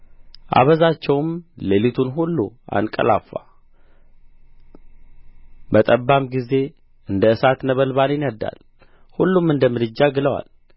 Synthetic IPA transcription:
ʔa̰βəzat͡ʃːɛwmlelit̪ʰunɦulːṵa̰nkʼə̰la̰fːa | bət̪ʼəbːamɡize̞ | ɨnd̪əɨsat̪nəβəlβanjɪnəd̪ːa̰l | hulːumɨnd̪əmɨd̪ɨd͡ʒːaɡɨləwa̰l

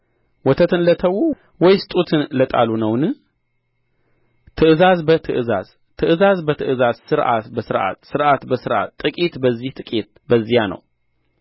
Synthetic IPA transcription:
wɔt̪ʰət̪ʰɨnlət̪ʰəwu | wɔjsɨt̪ʼut̪ʰɨnlət̪ʼa̰lunəwnɨ | t̪ʰɨʔɨzazbət̪ʰɨʔɨza̰z̥ | t̪ʰɨʔɨzazbət̪ʰɨʔɨzazsɨɾʔa̰t̪bəsɨɾʔa̰t̪sɨɾʔat̪bəsɨɾʔa̰t̪ʼːɨkʼit̪bəzːiht̪ʼɨkʼit̪̚ | bəzːijanə̰w

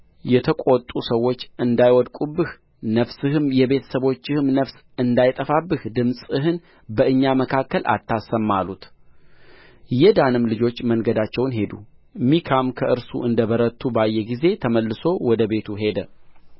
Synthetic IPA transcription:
jɛt̪ʰəkʷʼot̪ʼusəwːo̞t͡ʃːɨnd̪ajwɔd̪kʼubːɨh | nəfsɨhɨmjɛbe̞t̪ʰə̥səβo̞t͡ʃːɪhɨmnəfs | ɨnd̪ajt̪ʼəfabːɨhd̪ɨmsʼɨɦɨn | bəʔɨɲːaməkʰakːəlʔa̰t̪ʰːasəmːalut̪ | jɛd̪anɨmlɨd͡ʒo̞t͡ʃːmənɡəd̪at͡ʃːɛwnɦe̞d̪ṵmikʰamkʰəʔɨɾsṵʔɨnd̪əbəɾət̪ʰːubajːɛɡize̞t̪ʰəməlːɨso̞wɔd̪əbe̞t̪ʰuɦe̞d̪ə

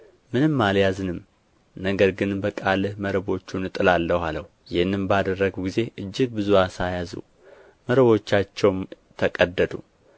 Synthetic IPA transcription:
mɨnɨmːaljazɨnɨm | nəɡəɾɡɨnbəkʼalɨhməɾəbo̞t͡ʃːunɨt̪ʼɨlalːəhaləh | jɪnːɨmbad̪ərːəɡuɡize̞ʔɨd͡ʒːɪɡ̚bɨzuasajazṵ | məɾəβo̞t͡ʃːat͡ʃːɛwm | t̪ʰəkʼəd̪ːəd̪ṵ

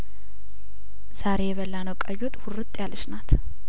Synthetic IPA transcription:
z̥aɾe̞jɛβəlːanəwkʼajot̪ʼhʊrɨt̪ʼːjalɨʃnat̪ʰ

